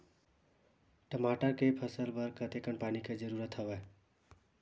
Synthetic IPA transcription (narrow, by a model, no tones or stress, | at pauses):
ʈəmaʈəkepʰʌsəlbʌɾkət̪ekənpaniked͡ʒəɾuɾət̪ʌba